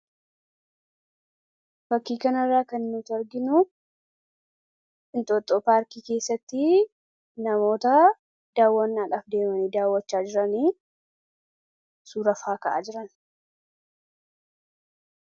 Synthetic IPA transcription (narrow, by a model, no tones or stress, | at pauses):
fɐkːiːkɐnɐrːaːkɐnnut̪ɐɾɡɪnu | ɪnt̪ʼot̪ʼːoːpaːɾkiːke̞ːsːɐt̪ːɪ | nɐmo̞ːt̪ɐ | d̪̥aːwːɐnːaːᶑaːfd̪e̞ːmɐniːd̪aːwːɐt͡ʃːaːd͡ʒɪɾɐniː | suːɾɐfaːkɐʔa̰ːd͡ʒɪɾɐn